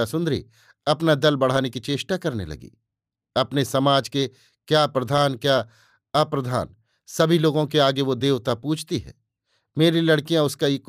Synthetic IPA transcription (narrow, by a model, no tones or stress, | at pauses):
asʊ̃nd̪ɾḭ | ɐpnad̪ɐlbɐɽ̤aːnekit͡ʃeːʃʈakɐɾnḛlɐ̰ɡḭː | ɐpnesɐmaːd͡ʒke | kjaːpɾɐd̪ʱaːnkjaː | ɐpɾɐd̪ʱa̰ːn | sɐbʱiloːɡõk̬eaːɡeʋod̪eːʋt̪apuːt͡ʃʰt̪iɦɛ̰ː | meːɾilɐɽkijãʊskaik